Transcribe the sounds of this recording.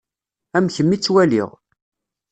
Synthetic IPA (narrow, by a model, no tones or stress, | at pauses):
æmçəmːit͡sːwælḭʁ